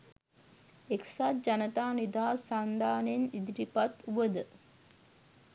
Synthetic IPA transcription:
eksat̪̚d͡ʒanət̪aːnid̪aːsand̪aːnenid̪iɾipat̪uʋəd̪ə

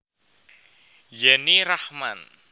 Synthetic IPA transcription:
jɛniɾahman

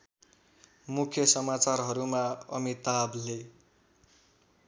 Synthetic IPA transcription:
mukʰjʌsʌmat͡sarɦʌɾumaʌ̰mit̪able

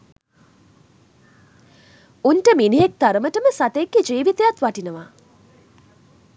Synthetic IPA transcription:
unʈəminiɦek̚t̪aɾəməʈəməsat̪əekːid͡ʒiːʋit̪ejat̪ʋaʈinəʋa

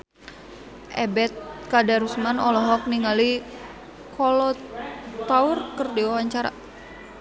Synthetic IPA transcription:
ʔɛ̰bɛt̪̚kadaɾusmanɔlɔɦɔk̚niŋɡali | kʰɔlɔt̪aurkərdiwawaɲt͡ʃaɾa̰

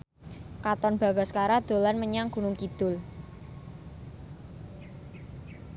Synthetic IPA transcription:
kat̪ɔnb̥a̤ɡ̥askaɾad̪̥o̤lanməɲaŋɡ̥ṳnʊŋkid̪̥ʊl

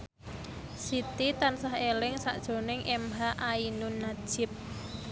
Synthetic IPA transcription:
sit̪it̪ansaɦelɪŋsa̰ʔd̥ʒ̥o̤nɪŋʔɛmɦaʔainʊnːad̥ʒ̥ɪ̤p̚

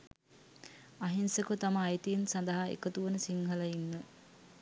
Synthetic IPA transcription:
aɦinsəkut̪amɐːjt̪iːnsɐnd̪ɐɦaḛkət̪uʋənəsiŋɦɐlɐinːə

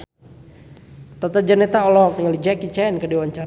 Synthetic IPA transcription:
t̪ɔt̪ad͡ʒənɛt̪aɔlɔk̚niŋalid͡ʒakit͡ʃɛnkədiwaɲt͡ʃa

